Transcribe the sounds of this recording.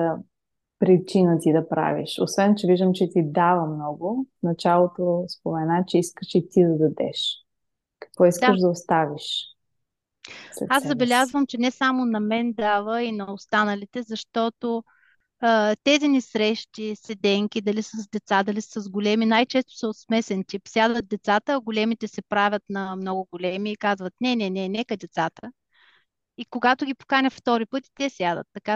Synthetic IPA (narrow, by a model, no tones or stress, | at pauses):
ə | pɾit͡ʃinət̪id̪ɐpɾa̰vḭʃosvɛnt͡ʃɛviʒd̪əmt͡ʃɛt̪id̪avəmnɔɡʊnɐt͡ʃalˠot̪ospomɛnat͡ʃɛiskəʃit̪id̪ɐd̪ɐd̪ɛ̰ʃ | kɐ̥kvɔiskəʃd̪ɐost̪aviʃ | aszɐbɛlʲazvəmt͡ʃɛnɛsamonɐmɛnd̪avəinɐost̪anəlit̪ɛzɐʃt̪ɔt̪o | t̪ɛzinisɾɛʃt̪isɛd̪ɛŋkʲid̪ɐlisəzd̪ɛt̪sad̪ɐlissəzɡʊlɛminajt͡ʃɛst̪ʊ̥sɛot̪smɛsɛnt̪ipsʲjad̪ət̪̚d̪ɛt̪sat̪əːɡʊlɛmit̪ɛsɛpɾavʲət̪nɐmnɔɡʊɡolʲɛmiːkazvət̪nɛnɛnɛnɛkəd̪ɛt̪sat̪ə | ikoɡat̪ʊɡʲipo̥kanʲɐft̪ɔɾipɤt̪i̥t̪ɛsjad̪ə̰t̪ːɐka